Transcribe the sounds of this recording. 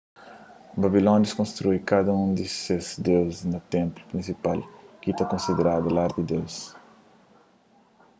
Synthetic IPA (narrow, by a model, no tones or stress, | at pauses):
babilõnd̪ɪskõnst̪ɾujkad̪ɐũd̪ɪsezd̪ewznɐt̪ẽmplu̥pɾĩnsipalkit̪akõnsid̪eɾad̪ɐlaɾd̪id̪ews